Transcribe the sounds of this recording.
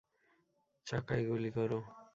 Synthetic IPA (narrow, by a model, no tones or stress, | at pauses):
t͡ʃakajɡulikɔɾo